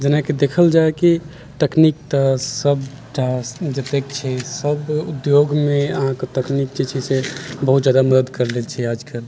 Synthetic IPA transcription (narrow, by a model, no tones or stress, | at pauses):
d͡ʒənaked̪ekʰəld͡ʒaeki | ʈ̪əknik̚t̪əsəb | ʈasd͡ʒət̪ekt͡ʃʰɛsəbud̪joɡmeə̰ɦãket̪əknikt͡ʃit͡ʃʰɛsebəɦut̪d͡ʒjad̪aməd̪əd̪kəɾlelt͡ʃʰɛad͡ʒkəl